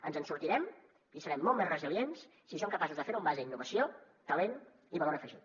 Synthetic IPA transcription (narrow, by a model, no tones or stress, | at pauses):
ənzənsuɾt̪iɾɛm | isəɾɛmːɔlˠmezrəziljens | sis̬oŋkəpasuzðəfeɾumbazəinːuβəsio | t̪əlen | iβəloɾəfəʒit̪